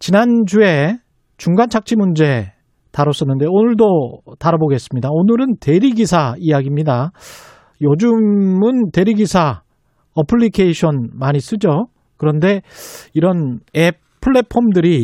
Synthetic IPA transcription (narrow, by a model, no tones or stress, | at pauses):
t͡ɕinand͡ʑue̞ | t͡ɕuŋɡant͡ɕʰak̚t͡ɕ͈ʰimund͡ʑe̞ | taɾʌs͈ʌnːɯnde̞onɯɭdotaɾaboɡe̞s͈ɯmɲidaonɯɾɯnte̞ɾiɡisʰaijaɡimɲida | jʌd͡ʑumɯnte̞ɾiɡisʰa | ʌpʰɯɭːikʰeiɕʰʌnmaɲis͈ɯd͡ʑo | kɯɾʌnde̞iɾʌne | pʰɯɭːe̞pʰomdɯɾi